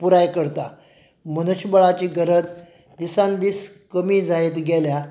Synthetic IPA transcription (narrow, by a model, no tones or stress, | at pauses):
puɾajkəɾt̪a | mənəɕbəɭat͡ɕiːɡəɾət̪ | d̪isãnd̪iːs | kəmiːd͡zaet̪ɡɛlja